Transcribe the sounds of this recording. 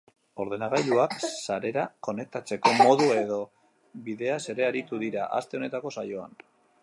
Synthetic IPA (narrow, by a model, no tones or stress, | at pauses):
o̞ɾð̞e̞naɣajluaksaɾe̞ɾako̞ne̞k̚t̪at͡se̞ko̞mo̞ðue̞ðo̞ | βiðe̞ase̞ɾe̞aɾit̪uðiɾaʔa̰st̪e̞o̞ne̞t̪ako̞sajo̞a̰n